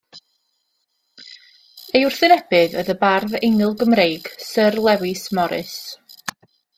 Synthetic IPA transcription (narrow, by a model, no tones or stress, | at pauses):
ejʊrθɨnɛbɨðəðəbarðejnɪlˠɡəmrejɡ̥sərlˠɛwɪsmɔɾɨ̰s